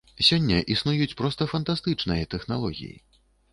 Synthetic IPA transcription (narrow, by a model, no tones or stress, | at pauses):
sʲɔnʲːɐʔisnujut͡sʲpɾɔst̪ɐfɐnt̪ast̪ɨt͡ʂnɨjɐt̪ɛxnalˠɔɣʲḭjḭ